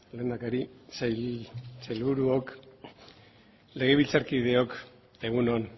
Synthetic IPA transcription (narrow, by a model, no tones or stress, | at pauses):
le̞ːnd̪akaɾisajlsajlβuɾuok | le̞ɣ̞eβilt͡saɾkiðe̞o̞k | e̞ɣ̞unon